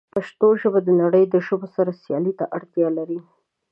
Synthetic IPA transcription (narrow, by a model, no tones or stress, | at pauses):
paʃt̪oʒəbad̪ənaɽəjd̪əʒəbosaɾasjɑlit̪aʔaɽt̪jɑlaɾi